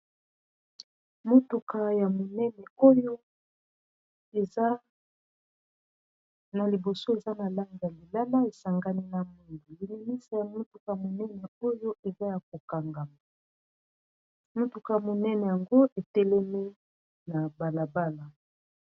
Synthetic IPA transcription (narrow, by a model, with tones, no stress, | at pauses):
mo˦tu˨ka˨ja˨mo˨nɛ˦nɛ˨o˦jo˦ | e˨a˦ | na˨li˨bo˨so˦e˨za˦na˨la˦ŋɡi˨ja˨li˨la˦la˦e˨sa˨ŋɡa˦ni˦na˨mu˦ndu˨li˨ni˨mi˦sa˨ja˨mo˦tu˨ka˨ja˨mo˨nɛ˦nɛ˨o˦jo˦e˨za˦ja˨ko˨ka˨ŋɡa˨ma˨ | mo˦tu˨ka˨ja˨mo˨nɛ˦nɛ˨ja˨ŋɡo˦ʔe˨tɛ˦lɛ˦mi˦ | na˨ba˨la˨ba˦la˨